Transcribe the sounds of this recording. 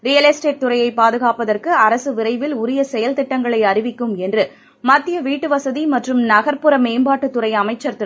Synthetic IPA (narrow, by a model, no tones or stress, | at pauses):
ɾijɐlɛsʈeːʈ̚t̪ʊɾɐjɐɪpaːðɯɣaːpɐðɐrkɯɐɾɐsɯʋɪɾɐɪʋɪlʊɾɪjɐsɛjɐlt̪ɪʈːɐŋɡɐɭɐɪɐɾɪʋɪkːɯmɛndrɯ | mɐt̪ːɪjɐʋiːʈːɯʋɐsɐðimɐʈrɯmnɐɣɐɾpɯɾɐmeːmbaːʈːɯt̪ːʊrɐɪɐmɐɪt͡ʃːɐɾt̪ɯ